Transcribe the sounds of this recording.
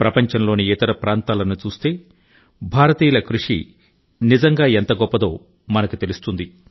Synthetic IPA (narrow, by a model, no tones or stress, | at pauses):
pɾɐpɐɲt͡ʃɐnlo̞ːniit̪ɐɾɐpɾaːnt̪aːlɐnːut͡ʃuːst̪e̞ː | bʱaːɾɐt̪iːlɐkɾuʂḭ | nizɐŋɡaːent̪ɐɡɔpːɐd̪o̞ː | mɐnɐkut̪elust̪und̪i